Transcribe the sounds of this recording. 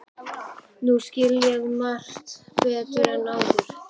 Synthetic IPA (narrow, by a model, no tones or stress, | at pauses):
nuscɪljɛɣmar̥t̪vɪðaðt̪vɛːɾanaːwðʏɾ̥